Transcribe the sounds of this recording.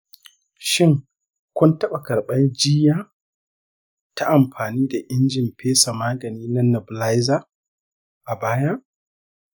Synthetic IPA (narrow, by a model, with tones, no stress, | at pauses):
ʃɪ˦ŋ | kʷʊ˦ntɐ˦ɓa˨kɐ˨ɾɓɐ˦nd͡ʒɪ˦jaː˦ | ta˦ʔa˨mɸaː˨niː˦da˨ʔɪ˦nd͡ʒɪ˨mpʰeː˦sa˨maː˦ɡɐ˨niː˦nɐ˦nɔ˨bla˦jza˦ | ʔa˨baː˦ja˦ʔ